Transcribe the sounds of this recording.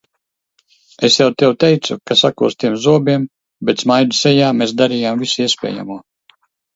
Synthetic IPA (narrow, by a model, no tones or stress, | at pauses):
esjawt̪ɛwt̪ɛjt̪sukasakuɔst̪iɛmzuɔbiɛm | bet̪smajd̪usɛjaːmeːs̬d̪aɾijamvisiɛsʲpʲɛ̰ːja̰muɔ